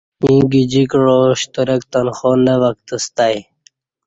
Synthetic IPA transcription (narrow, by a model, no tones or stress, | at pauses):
ĩːɡid͡ʑikɻoɕt̪əɾəkt̪anxonəwək̚t̪əst̪aj